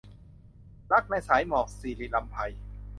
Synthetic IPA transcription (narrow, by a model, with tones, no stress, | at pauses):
la˦˥˩k̚na˧jsaː˩˦jmɔː˨˩k̚siː˨˩liː˨˧˩la˧mpʰa˧j